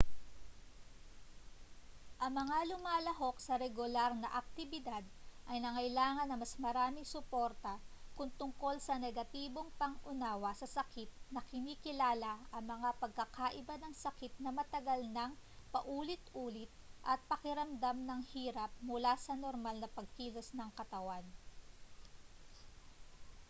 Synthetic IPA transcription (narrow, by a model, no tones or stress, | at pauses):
ʔɐŋmɐŋalʊmaːlɐɦo̞k̚sɐɾɛɡʊlaɾnɐʔɐk̚t̪ɪbɪd̪ad̪̚ʔɐjnɐŋɐjlaːŋɐnːɐmɐsmɐɾaːmɪsʊpoɾt̪ɐkʊŋt̪ʊŋko̞lsɐnɛɡɐt̪iːbo̞ŋpɐŋʔʊnaːwɐsɐsɐkʰɪt̪̚nɐkɪniːkɪlaːlɐʔɐŋmɐŋapɐɡ̚kɐkaʔɪbanɐŋsɐkɪt̪̚nɐmɐt̪ɐɡɐlnɐŋpɐʔuːlɪt̪ʔuːlɪt̪̚ʔɐt̪̚pɐkɪɾɐmd̪amnɐŋhiːɾɐp̚mʊlasɐnoɾmalnɐpɐɡ̚kiːlosnɐŋkɐt̪ɐwan